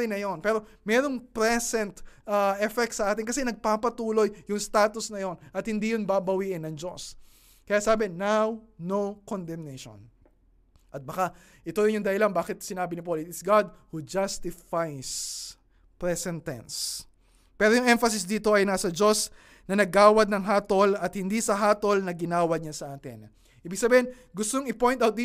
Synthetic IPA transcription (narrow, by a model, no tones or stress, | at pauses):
ɪnɐjo̞npɛːɾo̞mɛːɾo̞ŋpɾɛsɛnt̪ɐʔɛfɛk̚t̪sɐʔaːt̪ɪnŋkɐsɛnɐɡ̚papɐt̪uːlo̞jjʊŋst̪aːt̪ʊsnɐjo̞nʔɐt̪̚hɪnd̪iːjonbabɐwiʔɪnːɐŋd͡ʒo̞̰s | kɐjaʔsaːbɪnawnowkond̪ɛmnɛjʃo̰n | ʔɐt̪̚bɐka | ʔɪt̪ojɪnjʊŋd̪ɐhɪlanbaːkɪt̪sɪnaːbɪnɪpolɪt̪ɪt̪sɡad̪̚hud͡ʒast̪ɪfajs | pɹɛsɛnt̪ɛ̰ns | pɛːɾojʊŋʔɛɱfɐs̬ɪsd̪iːt̪o̞ʔɐjnaːsɐd͡ʒo̞s | nɐnɐɡaːwɐd̪nɐŋɦaːt̪o̞lɐt̪̚hɪnd̪isɐɦaːt̪o̞lnɐɡɪnaːwɐɲasɐʔaːt̪ɪn | ʔiːbɪɡ̚sɐbiːhɛn | ɡʊst̪oŋɪpoj̃nawt̪̚d̪i